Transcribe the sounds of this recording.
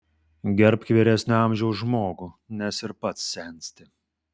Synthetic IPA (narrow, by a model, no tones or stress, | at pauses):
ɡʲɛɾpkʲʋʲeːɾʲɛsʲnʲʊɑˑmʲʒʲɛʊsʒmoːɡʊ | nʲɛsɪɾpɐt̪sːʲɛˑnʲsʲt̪ʲɪ